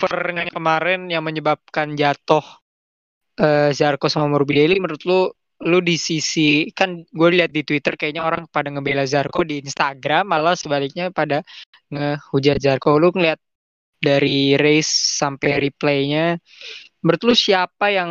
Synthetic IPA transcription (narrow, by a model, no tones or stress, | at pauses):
fərŋankəmaɾɛnjaŋməɲəbap̚kand͡ʒat̪ʊh | ʔəːzarkosmamurbideliməɾut̪lu | ludisisikanɡuailiɦat̪̚dit̪wit̪ərkajaɲaoɾaŋkə̥padaŋəbelazarkodiːnst̪aɡɾamalasəbalik̚ɲapada | ŋəhud͡ʒat̪zarkoluŋliɦat̪̚ | daɾiɾesːampajɾiplejɲa | məɾʊt̪lusiapajaŋ